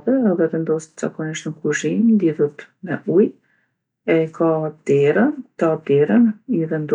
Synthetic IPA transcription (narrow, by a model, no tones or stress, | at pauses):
ðɛːðɛvɛnd̪ɔst̪z̥a̰kɔniʃt̪nəkuʒimliðut̪mɛʔuj | ɛkʰad̪̥ɛɾənt̪ap̚d̪ɛɾəniðɛnd̪